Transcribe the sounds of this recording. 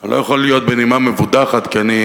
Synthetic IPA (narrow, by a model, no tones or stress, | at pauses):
lo̞̰jaχolːijo̞t̪̚benimamevud̪aχat̪kiani